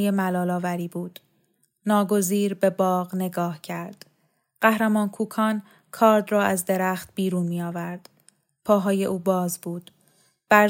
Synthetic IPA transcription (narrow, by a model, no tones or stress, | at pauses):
jemælɒːlɒːvæɾiːbuːd̪̥ | nɒːɡo̞ziːɾbe̞bɒːɣne̞ɡɒːhcʰæɾd̪̥ | ɢ̥æhɾemɒːnkʰuːkʰɒːn | kʰɒːɾd̪rɒːʔæzd̪eɾæχt̪̚biːɾuːnmiːɒːvæɾd̪̥ | pʰɒːɦɒːje̞ʔuːbɒːzbuːd̪̥ | b̥æ